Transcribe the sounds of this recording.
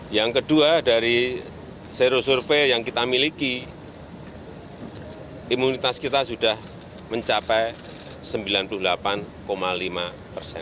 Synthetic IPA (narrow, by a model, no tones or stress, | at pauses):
jaŋkəduadaɾi | seɾosurfejaŋkit̪amiliki | imunit̪askit̪asudah | məɲt͡ʃapɛj | səmbilanpuluhlapan | komalima | pərsɛ̰n